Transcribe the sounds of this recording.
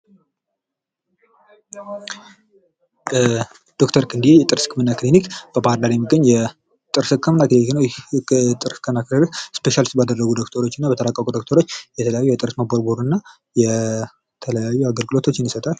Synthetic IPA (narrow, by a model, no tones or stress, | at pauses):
d̪̥o̞kt̪ʰəɾkʰɨnd̪iejɛt̪ʼɨɾsɨ̥kːmɨnːaklinikb̥əbaɾlaɾjɛmːɨɡːəɲːjɛ | t̪ʼɨɾsɨkʰːəmnakliniknəwjt̪ʼɨɾsɨ̥kʰːəmnakləɾikspe̞ʃalist̪̚bad̪ərːəɡud̪o̞kt̪ʰəɾo̞t͡ʃːɪnːabət̪ʰəlakʼːəkʼud̪okt̪ʰəɾo̞t͡ʃːjɛt̪ʰələjajujɛt̪ʼɨɾsmaboɾboɾɨnːa | jɛ | t̪ʰələjajːuaɡəlɡɨlo̞t̪ʰo̞t͡ʃːɪnisət̪ʼal